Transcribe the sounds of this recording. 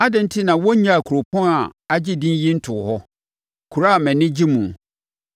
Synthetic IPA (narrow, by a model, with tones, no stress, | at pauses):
a˦dɪ̃˨n̩˦tʰɪ˦nã˨wɔ˦ɲã˦a˨kʰu˨ɾo˨pʰɔ̃˦na˨a˦d͡ʑɪ˦dĩ˦nji˦n̩˦tʰʊ˨hɔ˦ | kʰu˨ɾa˦˨mɛ̃˨nɪ̃˦d͡ʑi˦mũ˨